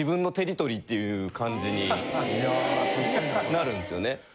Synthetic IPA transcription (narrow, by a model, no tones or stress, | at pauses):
ibɯ̟̃nːo̞t̪e̞ɾʲit̪o̞ɾʲiːt̪ːe̞jɯ̟kãɲ̟d͡ʑiɲ̟ijasɨɡonaɾɯ̟̃nd̪e̞sɨjo̞ne̞